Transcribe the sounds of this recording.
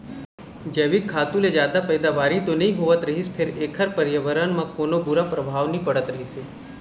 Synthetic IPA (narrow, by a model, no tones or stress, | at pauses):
d͡ʒeːʋɪkʰːaːt̪ũled͡ʒjaːd̪apəːd̪aʋaːɾit̪onɐɦĩɦoːʋət̪ɾɐɦispʰɪɾeːkʰəɾpəɾjəʋəɾənmãkoːnobʊɾapɾəbʱaːʋnĩpɐɽət̪ɾɐɦise